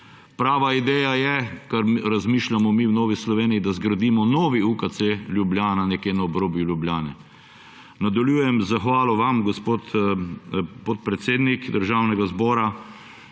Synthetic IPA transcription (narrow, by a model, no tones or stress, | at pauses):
pɾaːʋaid̪ɛːjajɛkaɾɾazmiːʃlʲamɔmiwnɔːʋislɔʋeːnijid̪azɡɾad̪iːmɔnɔːʋiukat̪selʲjublʲjaːnanɛkjeːnaɔbɾoːbjulʲjubljaːnɛ̰ | nad̪aljuːjɛmzaxʋaːlɔʋamɡɔspoːt̪ | pɔt̪̚pɾɛt̪seːd̪nikd̪əɾʒaːwnɛɡazbɔːɾa